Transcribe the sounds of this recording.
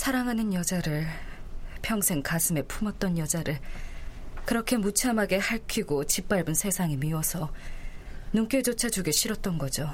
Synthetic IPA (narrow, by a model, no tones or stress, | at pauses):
sʰaɾaŋɦanɯnjʌd͡ʑaɾɯɭ | pʰjʌŋsʰe̞ŋkasʰɯmepʰumʌt̚t͈ʌnjʌd͡ʑaɾɯɭ | kɯɾʌkʰe̞mut͡ɕʰamɦaɡe̞haɭkʰiɡot͡ɕip͈aɭbunsʰe̞sʰaŋimiwʌsʰʌ | nuŋk͈ed͡ʑot͡ɕʰad͡ʑuɡeɕʰiɾʌt̚t͈ʌnɡʌd͡ʑo